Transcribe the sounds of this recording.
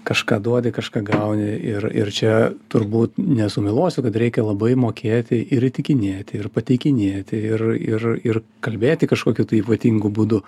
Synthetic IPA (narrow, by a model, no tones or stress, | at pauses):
kɐʃkɑːd̪uɔd̪ʲɪkɐʃkɑːɡɐʊnʲɪɪrɪ̰rt͡ʃʲɛt̪ʊɾbuːt̪nʲɛsʊmʲɪlˠoːsʲʊkɐt̪ɾʲɛɪkʲɛlˠɐbɐɪmoːkʲeːt̪ʲɪʔɪɾit̪ʲɪkʲɪnʲeːt̪ʲɪɪrpɐt̪ʲɛɪkʲɪnʲeːt̪ʲɪɪrɪrɪr | kɐlʲbʲeːt̪ʲɪkɐʃkoːkʲut̪ɐipɐt̪ʲiŋɡʊbʊd̪ʊ